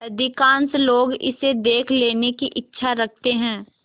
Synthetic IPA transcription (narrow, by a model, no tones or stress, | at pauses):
ɐd̪ɪkãːnsloːɡɪ̰sed̪eːkʰleːnekiʔɪtːʃʰaɾɐk̚ʰt̪eɦɛ̃ː